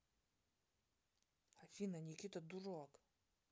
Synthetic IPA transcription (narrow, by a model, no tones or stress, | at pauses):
hafinanʲikʰʲʼit̪ʼad̪uroakʼ